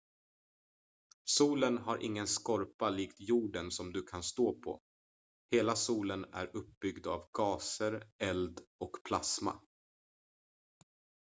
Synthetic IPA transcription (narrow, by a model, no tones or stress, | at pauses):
suːlənɦaɾʔɪ̰ŋːənskɔɾpaliːkt̪juːɖənsɔmd̪ɵkʰanst̪oːpʰɔ̰ | heːlasuːlənæ̰ɾɵp̚bʏɡd̪avɡɑːsəɾɛld̪ɔkpʰlasma̰